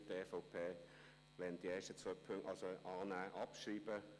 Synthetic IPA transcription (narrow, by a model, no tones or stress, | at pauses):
deːfɔʊpʰeː | ʋɛnd̥̪ieːʃtət͡sœːpʰøŋɑlsoʔɑːnæːʔɑpʃriːb̥ə